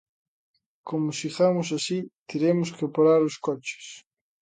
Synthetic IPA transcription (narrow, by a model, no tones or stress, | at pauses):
komʊsiɣamʊs̬asit̪eɾemʊskepaɾaɾʊskɔt͡ʃe̥s